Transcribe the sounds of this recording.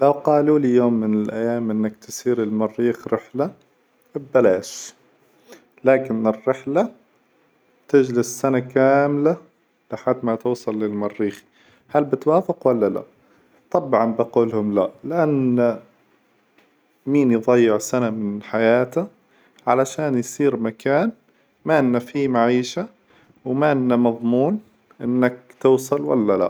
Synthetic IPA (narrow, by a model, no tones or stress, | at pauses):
lawqɑːluːlɪjoːmːɪnɪlʔajːaːmʔɪnːakt̪ɪsiːɾɪlmɑrːiːxɾɪħla | bbalaːʃ | laːkɪnɪrːɪħla | t̪ɪd͡ʒlɪsːanakaːmla | lɪħad̪ːmat̪uːsˤɑlːɪlmɑrːiːxi̥ | halbɪt̪waːfɪqwalːala̰ | t̪ˤɑbʕɑmbaquːlhʊmlaʔlɪʔanː | miːnjðˤɑjːɪʕsanamɪnħajaːt̪a | ʕalaʃaːnjsˤiːɾmakaːn | maʔɪnːafimaʕiːʃa | wmaʔɪnːamɑðˤmuːn | ʔɪnːak̚t̪ʊːsˤɑlwa̰lːala̰